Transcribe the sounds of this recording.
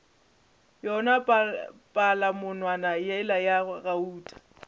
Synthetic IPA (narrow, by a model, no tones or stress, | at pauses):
jɔnapʼalamʊnwanajɛɪlajaɣauːtʼḁ